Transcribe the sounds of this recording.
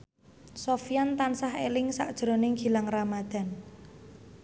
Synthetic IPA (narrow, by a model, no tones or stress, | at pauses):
sofijant̪ansaɦelɪŋsa̰ʔd̥ʒ̥ɾo̤nɪŋɡ̥i̤laŋramad̪̥a̤n